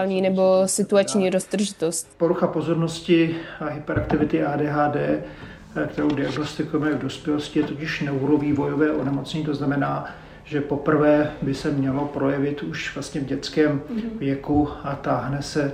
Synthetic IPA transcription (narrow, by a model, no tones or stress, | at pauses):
lɲiːnɛbo̞sɪt̪uat͡ʃɲiːɾosd̪r̩ʒɪt̪ost̪poɾuxapo̞zo̞ɾno̞scɪaɦɪpɛɾʔak̚t̪ɪvɪt̪ɪʔaːdɛːɦaːdɛː | kt̪ɛɾowdɪaɡno̞st̪ɪkujɛmɛvdo̞spjɛloscɪjɛt̪ocɪʃnɛuɾoviːvo̞jovɛːʔonɛmo̞t͡sɲɛɲiːt̪o̞znamɛnaː | ʒɛpo̞pr̩vɛːbɪsɛmɲɛlo̞pɾo̞jɛvɪt̪uʃv̥last̪ɲɛvɟɛt͡skɛːmvjɛkuat̪aːɦnɛsɛ